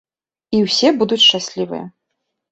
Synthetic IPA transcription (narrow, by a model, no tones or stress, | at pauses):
iwsʲɛbud̪ut͡sʲʃt͡ʂasʲlʲivɨ̰jɛ̰